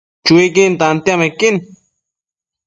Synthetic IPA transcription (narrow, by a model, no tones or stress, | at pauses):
t͡ʃuik̬int̪ant̪jamekin